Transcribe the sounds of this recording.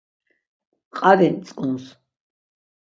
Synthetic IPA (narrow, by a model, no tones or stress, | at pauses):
qʼaɾɛnt͡s̪ʼuns